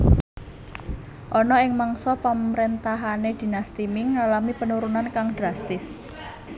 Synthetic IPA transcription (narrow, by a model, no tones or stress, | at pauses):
ʔɔnɔɪŋmaŋsɔpamɾent̪aɦaned̪̥i̤nast̪imɪŋːalamipənuɾunankaŋd̪̥ɾast̪ɪs